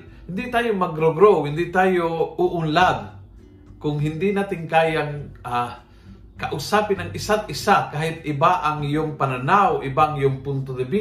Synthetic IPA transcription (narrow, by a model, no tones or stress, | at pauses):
hɪnd̪ɪt̪aːjomɐɡɾoɡɾowhɪnd̪ɪt̪aːjouʔʊnlad̪̚ | kʊŋɦɪnd̪ɪnaːt̪ɪŋkaːjaŋa | kaʔʊsaːpɪnaŋʔɪsad̪̚ʔɪsakaːhɪt̪̚ɪbaʔaŋjʊŋpananawʔɪbaʔŋjʊŋpʊnt̪od̪ɪbi